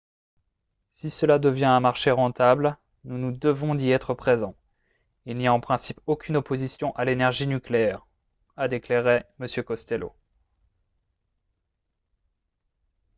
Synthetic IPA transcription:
sisəlad̪əvjɛ̃ɛ̃maʁʃeʁɑ̃t̪abl | nunud̪əvɔ̃d̪iɛt̪χəpχezɑ̃ | ilnijaɑ̃pχɛ̃sipokʲynopozisjɔ̃ʔalenɛʁʒinykleɛʁ | ad̪ekleʁeməsjøkɔst̪ɛlo̰

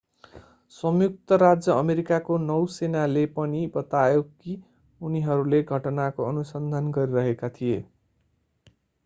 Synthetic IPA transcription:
sʌmjuk̚t̪ʌɾad͡zjʌʌmeɾikakonʌwsenalepʌnibʌt̪ajoki | uniɦʌɾuleɡʱʌʈʌnakoʌnusʌnd̪ʱanɡʌɾiɾʌɦekat̪ʰije

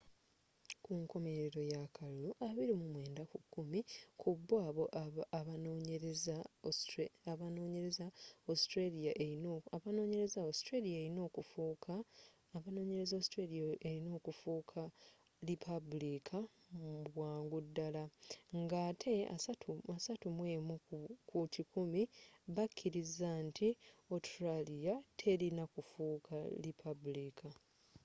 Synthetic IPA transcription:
kʰuŋko̞me̞ɾɾeɾo̞jakʰaluloʔaβiɾimumwe̞ːndakukːumikʰubːaːβo̞ʔaβanoɲeɾeza | βano̞ːɲe̞ɾe̞zaostɾelijaʔeaβano̞ːɲe̞ɾe̞zaostɾelijaeɾino̞ːkufuːkʰa | βano̞ːɲe̞ɾezaostɾeliaeɾino̞ːkufuːkʰa | lipʰabulikʰa | muβwaːŋɡudːalaŋɡaːtʰe̞atuasatumwe̞ːmukutʰikumiβakʲʰːiɾizaːntʰio̞tɾalijatʰe̞ɾinakufuːkʰa̰lipʰabulika

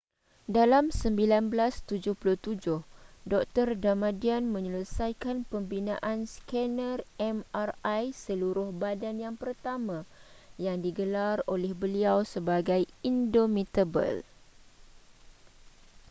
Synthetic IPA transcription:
dalamsəmbilanbəlast̪ud͡ʒʊhpulʊht̪ud͡ʒʊhdɔk̚t̪ərdamãdianmə̃ɲələsajkanpəmbinã̰ʔanskɛnərɛmarajsəluɾʊhbadanjaŋpərt̪amãjaŋdiɡəlarolɛhbəliawsəbaɡajindomit̪əbə̰l

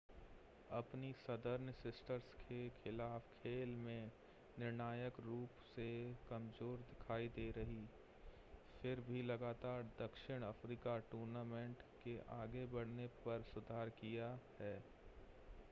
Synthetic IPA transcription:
ɐpnisɐd̪əɾnsɪsʈəɾskʰekɪlaːfkʰeːlmẽ | nɪɾnaːjəkɾuːpsekɐmzoːɾd̪ɪkʰaːid̪eːɾɐɦi | fʰɪɾbʱilɐɡaːt̪aːɾd̪ɐkʃɪɽ̃ɐfɾiːkaʈuːɾnaːmẽːɳʈkeʔaːɡebɐɽ̤nepɐɾsʊd̪ʱaːɾkijahɛː

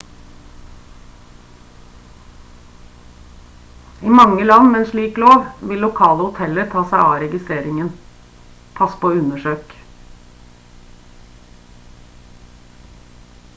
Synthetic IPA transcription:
iːmɑŋəlɑnmeeːnʂlɭiːkloːʋʋɪlʊkʰɑːləhʊt̪ʰɛləɾt̪ʰɑːsæɪɑ̰ːɾɛɡɪst̪ɾeːɾɪŋən | pʰɑspoːʉnəʂøːk

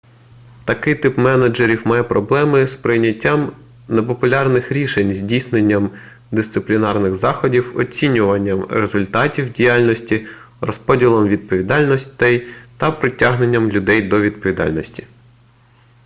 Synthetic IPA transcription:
t̪ɐkɪjt̪ɪpmɛnɐd͡ʒeɾʲiwmɑjɛpɾɔblˠɛmɪspɾɪjnʲːɐtʲːam | nepɔpʊlʲɑrnɪxɾʲiʃenʲzʲdʲijsnenʲːɐm | d̪ɪst̪sɪplʲinɑrnɪxzɑxɔdʲiwɔ̰t͡sʲinʲʊʋɐnʲːɐmɾezʊlʲt̪ɑtʲiwdʲijɑlʲnɔsʲtʲi | rɔspɔdʲilˠɔmʋʲid̪̚pɔʋʲid̪ɑlʲnɔsʲt̪ɛjt̪ɐpɾɪtʲaɦnenʲːɐmlʲʊd̪ɛjd̪ɔʋʲid̪̚pɔʋʲid̪ɑ̰lʲnɔsʲtʲi̥

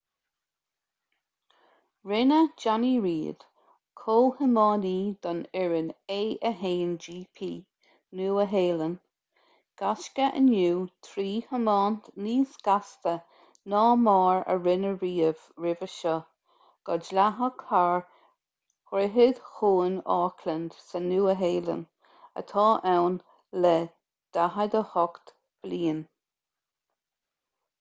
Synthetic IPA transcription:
ɹɪnəd͡ʒaniɹiːd̪̥ | kʰoːhəmɑːniːd̪̥ɔnɛɹəneːʔəɦeːnd͡ʒiːpʰiː | nuːəɦeːlən | ɡ̥askəʔə̰njuːt̪ʰɾiːhəmɑːnt̪niːsɡ̥ast̪ə | nɑːmɑːɹə̰ɹɪnəɹiːəv̥ | ɹɪvəʃə | ɡ̥ɔd͡ʒlaɦəkʰaɹ | xɾɪɦɪd̪̥xuːnɑːkʰlənd̪̥sənuːəɦeːlə̰n | ə̰t̪ʰɑːʔɛwn | lɛ | d̪̥aɦəd̪əhɔkt̪ | b̥liːn

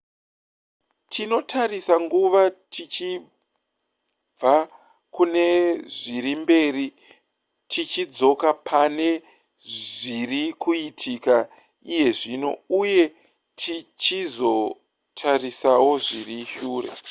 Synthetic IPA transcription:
tʰino̞tʰaɾisaŋɡuʋatʰit͡ʃi | b͡va | kune̞ʐiɾimbe̞ri | tʰit͡ʃid͡zo̞kapʰane̞ | ʐirikuitʰika | ije̞ʐino̞̰uje̞ | tʰit͡ʃizo̞ | tʰarisawo̞ʐiriʃuːrḛ

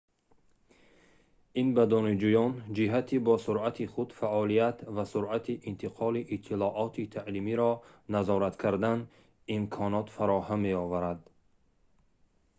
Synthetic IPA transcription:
inbad̪ɔnid͡ʒujɔnd͡ʒiɦat̪ʰibɔsuɾat̪ʰiχud̪faʔɔlijat̪vasuɾat̪ʰiʔint̪ʰiqʰɔliʔit̪ʰːilɔʔɔt̪ʰit̪ʰaʔlimiɾɔnazɔɾat̪kʰaɾd̪an | imkʰɔnɔt̪faɾɔhamːe̞ɔvaɾad̪

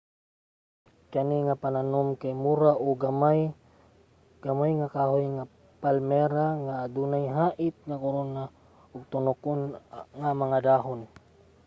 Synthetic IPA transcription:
kaniŋapananɔmkajmuɾaʔɔɡamaj | ɡ̥amajŋakaɦojŋa | palmɛɾaŋaːdunajɦaʔit̪̚ŋakoɾona | ʊɡ̚t̪unokʊnŋamaŋad̪aɦʊn

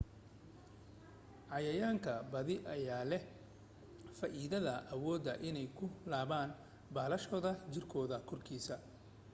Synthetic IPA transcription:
ʕɑjɐjaːŋkʰɐbɐðɪʔɐjaːlɛ | faːʔiːðɐðɐʔɐwɔːd̪ɐʔɪnɛjkʰʊlaːβaːn | baːlɐʃɔːðɐt͡ʃɪrkʰɔːðɐkʰɔrkʰiːsɐ

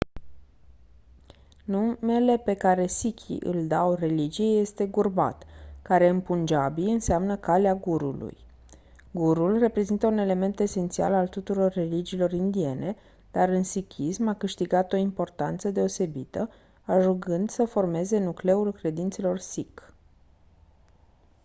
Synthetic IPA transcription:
nume̞le̞pe̞kaɾe̞sikʲʰḭʔɨ̰ld̪awre̞lid͡ʒijeje̞st̪e̞ɡurba̰t̪kaɾe̞ɨmpund͡ʒabilɨnseamnəkaleaɡuɾṵlṵj | ɡuɾulre̞pɾe̞zint̪əune̞le̞me̞nt̪e̞se̞nt̪sia̰lalt̪ut̪uɾo̞rːe̞lid͡ʒiːlo̞rind̪ie̞ne̞ | d̪̥aɾɨnsikʰʲismakɨʃt̪iɡat̪o̞impo̞rt̪ant̪səd̪e̞o̞se̞bit̪ə | aʒuɡɨnd̪səfo̞rme̞ze̞nukle̞ulkɾe̞d̪int̪se̞lo̞rsik

